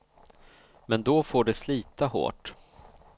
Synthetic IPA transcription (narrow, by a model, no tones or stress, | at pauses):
mɛnd̪ɔfoːɖɛsliːt̪aho̰ːʈ